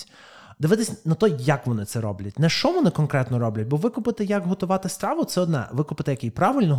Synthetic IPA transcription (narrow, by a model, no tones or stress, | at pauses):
d̪ɪʋɪt̪ɪsʲnɐt̪ɔjɐkʋɔnɪt̪ɛɾɔblʲɐtʲnɛʃt͡ʃɔʋɔnɪkɔnkɾɛt̪nɔɾɔblʲɐtʲbɔʋɪkʊpɪt̪ɪjɐkɦɔt̪ʊʋɑt̪ɪst̪ɾɑʋʊt̪sɛɔd̪nɛ̰ʋɪkʊpɪt̪ɪjɐkɪjpɾɑʋɪlʲnɔ